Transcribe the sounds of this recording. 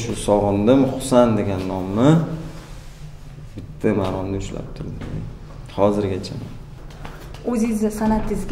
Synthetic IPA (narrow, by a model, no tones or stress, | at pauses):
ʃʊsɒʁɨnd̪ɪmχʊ̥sand̪e̞ɡʲanːɒmːɪ | bɪt̪ʰːamaːɾɒnnɪʊʃla̰p̚t̪ʰʊɾd̪ɪɪ̰ | hɒzɪɾɡʲat͡ʃʰama̰n | ɵzizɪsanat̪ʰɪzɡʲ